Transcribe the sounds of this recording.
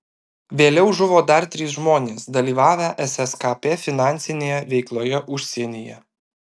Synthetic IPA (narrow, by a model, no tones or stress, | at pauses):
ʋʲeːlʲɛʊʒʊʋoːd̪ɐɾt̪ʲɾʲɪsʒmoːnʲeːsd̪ɐlʲiːʋɑːʋʲæːʔɛsʲɛskɑpʲefʲɪnɑˑnʲsʲɪnʲeːjɛʋʲɛɪklˠoːjɛʔʊʃʲsʲiɛnʲɪjɛ